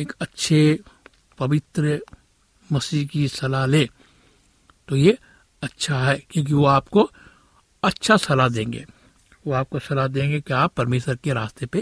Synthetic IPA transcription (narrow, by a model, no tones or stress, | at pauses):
eːkɐtːʃʰe | pɐʋɪt̪ɾə | mɐsiːɦkisɐlaleː | t̪oje | ɐtːʃʰaɦɛːkjõːk̬iʋoaːpko | ɐtːʃʰasɐlad̪ẽːŋɡḛː | ʋoaːp̚kosɐlad̪ẽːŋɡekeaːpːɐɾmeːʃəɾkeɾaːst̪epe